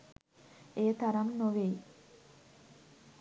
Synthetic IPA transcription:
eːt̪aɾamnoʋej

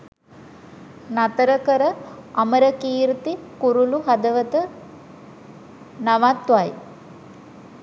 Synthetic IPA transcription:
nat̪əɾəkəɾəɐməɾəkiːɾut̪ikuɾuluɦad̪əʋət̪ə | naʋat̪ːʋaj

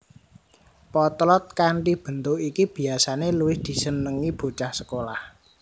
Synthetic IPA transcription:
pɔt̪lɔt̪̚kaɳʈib̥ə̤nt̪ʊkikib̥i̤asaneluwɪhd̪̥i̤sənəŋib̥o̤t͡ʃahsəkolah

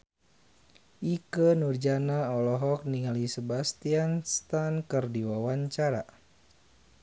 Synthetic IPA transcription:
ʔikənurd͡ʒanaɔlɔɦɔk̚niŋalisəbast̪ianst̪ankərdiwawaɲt͡ʃaɾa̰

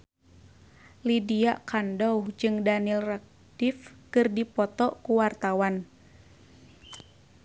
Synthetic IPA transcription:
lidiaʔkandɔud͡ʒɨŋdanilrak̚ | d̪ifkɨrdipɔt̪ɔkuwart̪awan

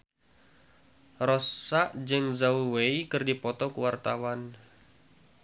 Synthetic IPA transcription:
rɔsaʔd͡ʒɨŋzauweikɨrdipɔt̪ɔkuwart̪awan

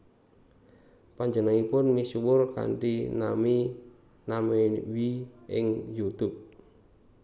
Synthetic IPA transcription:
paɲd͡ʒənaŋipʊnmisuwʊrka̰ɳʈinami | namewiʔɪ̰ŋjut̪ʊp̚

